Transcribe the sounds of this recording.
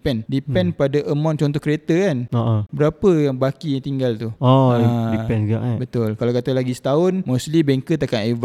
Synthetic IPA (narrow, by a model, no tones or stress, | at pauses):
pɛndipɛnpadaʔəmãnt͡ʃɔnt̪ɔhkɾet̪akanoʔobəɾapəjaŋbakijaŋt̪iŋɡalt̪uoadipɛnɡaʔbət̪ʊlkalawkat̪alaɡisə̥t̪aʊnmoslibeŋkət̪akaneva